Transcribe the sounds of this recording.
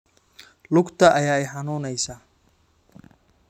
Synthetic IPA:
lʊɡt̪ʰɐʔɐjaːɛjħɑnuːnɛjsaː

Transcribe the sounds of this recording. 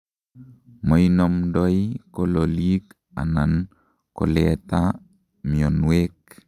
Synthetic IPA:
moinomdoikololik | a̰nan | ko̰leta | mionwek

